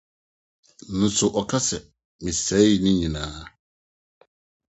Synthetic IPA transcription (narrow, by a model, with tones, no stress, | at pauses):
n̩˦sʊ˨ʔɔ˨kʰa˦sɛ˨ | mɪ̃˨sɛ˨˦ji˨nʊ̃˦ɲĩ˨nãː˦